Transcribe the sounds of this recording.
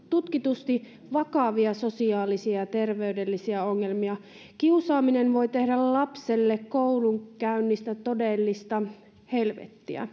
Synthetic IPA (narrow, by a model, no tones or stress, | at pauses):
t̪ut̪kit̪ust̪i | ʋɑkɑʋiɑso̞siɑːlisiɑjɑt̪e̞rʋeydelːisiæoŋːelmiɑ | kiusɑːminenʋo̞jt̪e̞hdællɑpselːekkouluŋkæynːist̪æt̪odelːist̪ɑ | helʋḛt̪ːiæ̰